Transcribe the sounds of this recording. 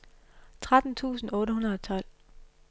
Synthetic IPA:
t͡sʰʁad̥n̩t͡sʰṵːsn̩ɔ̽ːɾəɦunɐðˠɒt͡sʰɒ̽l̰

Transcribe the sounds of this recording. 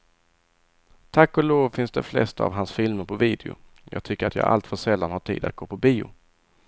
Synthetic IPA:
t̪ʰakːɔloːvfɪnsd̪ɛ̰flɛ̰st̪aavɦansfɪlməɾpʰɔviːd̪ɪʊ̰ | jʔɑ̰ːɡ̚t̪ʰʏkːəɾat̪jɑ̰ːɡʔa̰lt̪fœʂɛlːanhaʈʰḭːd̪a̰t̪̚ɡ̥oːpʰɔbiːʊ̰

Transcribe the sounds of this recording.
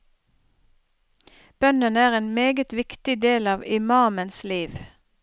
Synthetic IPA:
b̥œnənəæːʁeːnmeːɡət̪ʋɪkt̪ɪd̪eːlɑːʋɪmɑːmənsliːʋ

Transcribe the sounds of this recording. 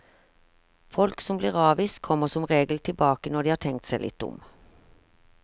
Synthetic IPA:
fɔlksɔmbliːʁɑːʋiːst̪kʰɔmːəʁsɔmʁeːɡl̩t̪ʰɪlbɑːkənɔdɖiːhɑːʈ̪ʰɛŋk̚t̪sæɪlɪ̰t̪ːʊ̰m

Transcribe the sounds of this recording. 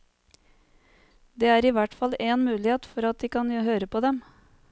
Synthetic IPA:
d̪eːæːɾiːʋæʈfɑleːnmʉːlɪheːt̪fɔɾɑt̪̚d̪iːkɑnhøːɾəpod̪ɛm

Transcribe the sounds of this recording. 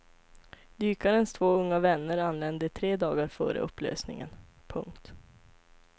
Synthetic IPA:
d̪yːkaɾənst̪ʰvoːɵŋːavɛnːəɾanlɛnd̪ət̪ʰɾeːd̪ɑːɡaɾfœ̰ːɾə̰ɵ̰pːlø̰ːsnɪ̰ŋə̰n | pʰɵ̰ŋkt̪

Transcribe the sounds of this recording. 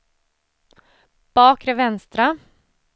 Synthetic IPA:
b̥ɑːkɾeʋɛnst̪ɾə

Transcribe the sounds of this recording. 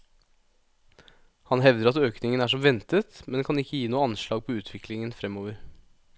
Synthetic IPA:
hɑnɦɛʋd̪əɾɑt̪øːknɪŋənæːʂɔmʋɛnt̪ət̪mɛnkʰɑnɪkːəjiːnuːəɑnʂlɑːɡ̚pʰɔʉːt̪ʰʋɪklɪŋənfɾɛmoːʋəɾ

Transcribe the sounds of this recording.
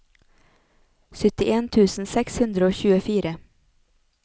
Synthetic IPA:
sʏt̪ɪʔeːnt̪ʰʉːsn̩sɛkshʉnd̪ɾəoːçʉːəfiːɾə

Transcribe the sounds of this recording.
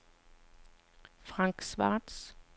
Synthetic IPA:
fʁaŋksʋɑ̰ːts

